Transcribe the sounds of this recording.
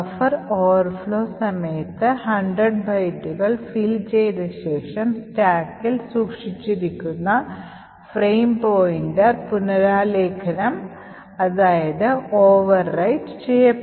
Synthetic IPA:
ɐfɐroːʋɐrfɭo̞ːsɐmɐjɐt̪ːɨhɐɳɖrɐɖbʱɐjʈːuɣɐɭfiːlt͡ɕe̞jnɐɕe̞ːʂɐmstaːkːilsuːkʂit͡ɕːiɾikʲːunːɐ | frejmpoːjindɐpunɐɾaːle̞ːkʰɐnɐm | ɐðaːjɐðɨoːʋɐrːɐjʈt͡ɕejːɐ

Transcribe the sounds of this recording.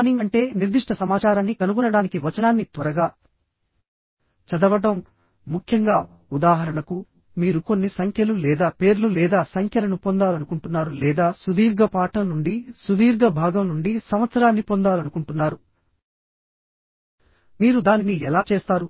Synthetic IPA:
niŋɡɐɳʈe̞ːniɾd̪iʂʈɐsɐmaːt͡ʃaːɾaːnːikɐnuɡɔnːɐɽaːnikiʋɐt͡ʃɐnaːnːit̪ʋɐɾɐɡaː | t͡ʃɐd̪ɐʋɐʈɐmː | ukʰjɐŋɡaː | ud̪aːɦɐɾɐɳɐku | miːɾuko̞nːisɐŋkʰjɐlulɛːd̪aːpe̞ːɾlulɛːd̪aːsɐŋkʰjɐɾɐnupond̪aːlɐnukuɳʈunːaːɾulɛːd̪aːsud̪iːɾɡɐpaːʈɐmnuɳɖisud̪iːɾɡɐbʱaːɡɐmnuɳɖisɐmʋɐt̪sɐɾaːnːipond̪aːlɐnukuɳʈunːaːɾu | miːɾud̪aːniniɛlaːt͡ʃeːst̪aːɾu

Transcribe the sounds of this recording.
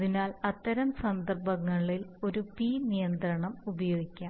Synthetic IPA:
ðinaːlɐt̪ːɐɾɐmsɐnd̪ɐrbɐŋːɐɭilo̞ɾupiːnijɐnd̪rɐɳɐmubɐjo̞ːɡikʲːaː

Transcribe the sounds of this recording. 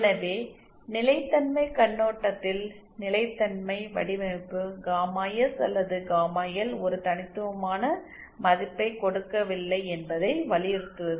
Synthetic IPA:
ɪnɐʋeː | nɪlɐɪt̪ːɐnmɐɪkɐɳːoːʈːɐt̪ːɪl | nɪlɐɪt̪ːɐnmɐɪʋɐ̰ɽɪʋɐɪpːɯɡaːmaːjɐsɐ̰lːɐðɯɡaːmaːjɐlɔɾɯt̪ɐnɪt̪ːɯʋɐmaːnɐ | mɐðɪpːɐɪkɔɽɯkːɐʋɪlːɐɪɛnbɐðɐɪʋɐlɪjɪɾɯt̪ːɯʋɐðɯ

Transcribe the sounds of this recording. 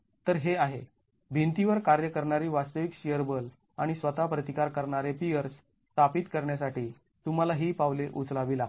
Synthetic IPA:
t̪əɾɦeaɦe | bʱint̪iʋəɾkaɾjəkəɾɳaɾiːʋast̪əʋikɕijəɾbəl | aɽ̃isʋət̪apɾət̪ikaɾkəɾɳaɾepiəɾs | t̪apiːt̪kəɾɳjasaʈiː | t̪um̤alaɦiːpaʋleʔut͡slaʋila

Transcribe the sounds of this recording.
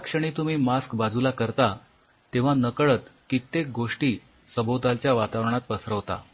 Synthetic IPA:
akʂəɽ̃iːt̪um̤iːmaskbad͡zulakəɾt̪a | t̪ẽʋ̤anəkəɭət̪kit̪ːek̚ɡoʂʈiː | səbot̪alt͡ɕjaʋat̪aʋɾəɳat̪̚pəsɾəʋt̪a̰

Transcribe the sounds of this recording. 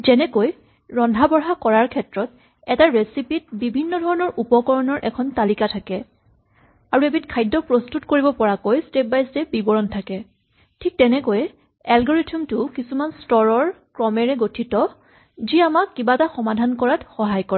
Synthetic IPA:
zɛnɛkoj | ɹɔndʱabɔɹɦakɔɹaɹkʰɛtɹɔt | ɛtaɹesipit̚bibʱinːɔdʱɔɹɔnɔɹʔupɔkɔɹɔnɔɹʔɛkʰɔntalikatʰakɛ | aɹuebitkʰajdːɔpɹostutkoɹibɔpɔɹakojstep̚bajstep̚bibɔɹɔntʰakɛ | tʰik̚tɛnɛkoj | ɛlɡɔɹitʰumtʊkisumanstɔɹɔɹkɹɔmɛɹɛɡotʰitɔ | ziamakːibataxɔmadʱankɔɹatxɔɦajkɔɹɛ

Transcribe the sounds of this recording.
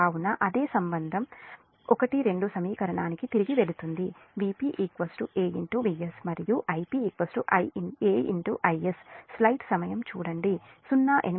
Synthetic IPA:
aːwunɐʔɐd̪eːsɐmbɐnd̪ʱɐm | ɔkɐʈiɾe̞ɳɖusɐmiːkɐɾɐɳaːnikit̪iɾiɡiʋe̞ɭut̪und̪iʋiːpiʔikʋɐsʈuʔeːiɳʈuʋiesmɐɾijuʔɐjpiikʋɐsʈuʔɐjeːḭɳʈuʔɐjesːlɐjʈsɐmɐjɐmt͡ʃuːɽɐɳɖisunːaːʔen

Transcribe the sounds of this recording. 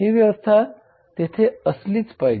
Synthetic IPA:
ɦiʋjəʋəst̪ʰa | t̪et̪ʰeəslit͡spaj

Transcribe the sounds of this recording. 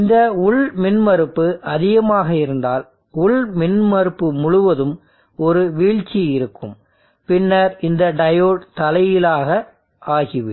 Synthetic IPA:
ɪnd̪ɐʊɭmɪnmɐɾɯpːɯʔɐðɪɣɐmaːɣɐɪɾɯnd̪aːl | ʊɭmɪnmɐɾɯpːɯmʊɻʊʋɐðɯm | ɔɾɯʋiːɻt͡ʃːiɪɾɯkːɯm | pɪnːɐɾɪnd̪ɐɖɐjoːʈt̪ɐlɐjɪlaːɣɐ | aːɣɪʋɯ

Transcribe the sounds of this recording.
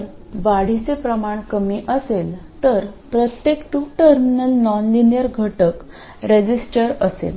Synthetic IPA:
ɾ | ʋaɽ̤it͡sepɾəmaɳkəmiːʔəselt̪əɾpɾət̪jekʈuʈəɾminəlnɔnlinjəɾɡʱəʈək | ɾed͡ʑisʈəɾəsḛl

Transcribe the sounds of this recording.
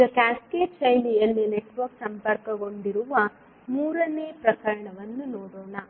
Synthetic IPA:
iɡɐkaːskeːt͡ʃɐjnijɐnːuneʈʋɐɾksɐmpɐɾkɐɡo̞ɳɖiɾuʋɐ | muːɾɐneːpɾɐkɐɾɐɳɐʋɐnːunoːɽoːɳɐ

